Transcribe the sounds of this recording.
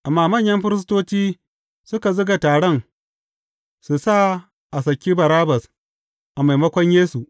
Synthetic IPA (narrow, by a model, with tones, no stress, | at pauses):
ʔa˨mːaː˦mɐ˦˨ɲjɐ˦mɸɪ˦ɾɪ˦s̬toː˦t͡ʃiː˦ | sʊ˦ka˨zʊ˦ɡa˨taː˨ɽɔ˦˨ŋ | su˨sa˦˨ | ʔa˨s̬ɐ˨kʲːiː˦bɐ˨ɾaː˦bɐ˨s | ʔa˨ma˨jmɐ˦kʷɔ˦ɲjeː˦su˨ʔ